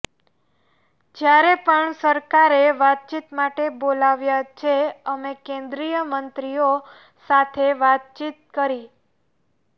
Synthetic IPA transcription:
d͡ʒjaɾepəɳsəɾkaɾeʋat̪̚t͡ʃit̪maʈebolaʋjat͡ʃʰeəmekẽnd̪ɾijəmənt̪ɾio | sat̪ʰeʋat̪̚t͡ʃit̪̚kəɾi

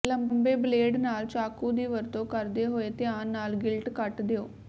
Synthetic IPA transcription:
ləmbmbeːbleːɖnaːlt͡ʃaːkuːd̪iːʋəɾt̪õːkəɾd̪eːɦoːeːt̪ɪjaːnːaːlɡɪlʈkəʈd̪eoː

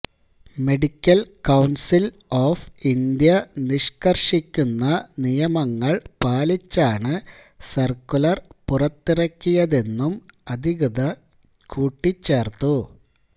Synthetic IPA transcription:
me̞ɽikʲːɐlkɐwnsil | oːfind̪jɐniʂkɐrʂikʲːunːɐnijɐmɐŋːɐɭpaːlit͡ɕːaːɳɨ | sɐrkulɐrpurɐt̪ːiɾɐkʲːijɐðe̞nːumɐd̪ʱiɣɐðɐ | kʰuːʈːit͡ɕːeːrt̪u

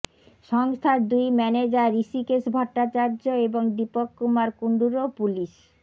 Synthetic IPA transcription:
ʃɔŋst̪ʰaɾd̪ujmɛned͡ʑaɾisikesbʱɔɾʈːat͡ɕaɾd͡ʑoeboŋd̪ipokːumaɾkuɳɖuɾopuliʃ

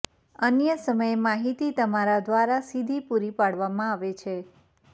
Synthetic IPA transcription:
ənjəsəməjemaɦit̪it̪əmaɾad̪ʋaɾasid̪ʱipuɾipaɽʋamãaʋet͡ʃʰe

